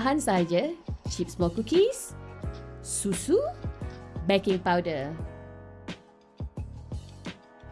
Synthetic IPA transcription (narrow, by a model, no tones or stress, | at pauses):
ɦansaɦad͡ʒət͡ʃip̚smɔkukis | susu | bɛkĩŋpawdə